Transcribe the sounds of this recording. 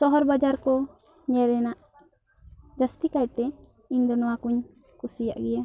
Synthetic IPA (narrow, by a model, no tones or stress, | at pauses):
sɔɦɔɾbad͡ʒaɾkɔ | ɲɛɾɛnaʔ | d͡ʒast̪ikajt̪ɛ | iɲd̪ɔnɔwakuɲ | kusija̰ʔɡɛja